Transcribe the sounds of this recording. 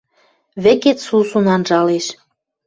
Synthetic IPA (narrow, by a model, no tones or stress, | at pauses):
βĕket̪susunɑnʒɑleʃ